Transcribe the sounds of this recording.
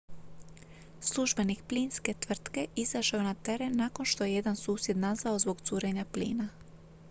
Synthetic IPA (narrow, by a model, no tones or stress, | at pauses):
slˠuʒbe̞nikplinske̞t̪ʋr̩t̪ke̞ʔizaʃaonat̪e̞ɾe̞nːako̞nʃt̪o̞jeje̞d̪ansuːsje̞d̪nazaozbo̞ɡt̪suːɾe̞ɲaplḭːna